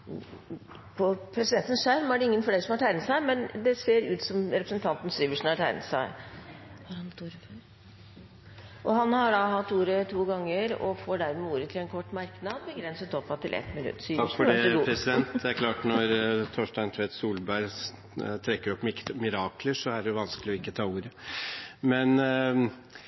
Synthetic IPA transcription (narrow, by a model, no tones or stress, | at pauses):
pʰɔpʰɾɛsɪd̪ɛnt̪ən̩ʂæɾmæɖɛɪŋːənfɔleːɾəsɔmhɑʈʰæɪnət̪sæɪmɛnd̪ɛseːɾʉːt̪sɔmɾɛpɾəsənt̪ʰɑnt̪n̩siːʋəʂn̩hɑʈʰæ̰ɪnə̰t̪sæɪ | hɑɾhɑnt̪uːɾf | ʔɔɦɑnhɑɖɑɦɑt̪ːuːɾət̪ʰuːɡɑŋːəɾɔ̰foːɖæɾmɛuːɾət̪ʰɪlɛnkʰɔʈːmɑɾknɑd̪bəɡɾɛnsət̪ɔpːɑt̪ʰɪlʔɛ̰t̪ːmɪnʉ̰t̪ːsyːəʂfɔɖɛpʰɾɛsɪd̪ɛnt̪d̪ɛæɾkʰlɑːʈnɔɾt̪ʰoːʂʈɑnt̪ʰʋeːt̪suːlbæɾ | t̪ʰɾɛkːəɾɔpːmɪmɪɾɑːkləʂɔæɖɛjʊʋɑnskəlɪɔɪkːət̪ʰɑːuːɾə | mɛn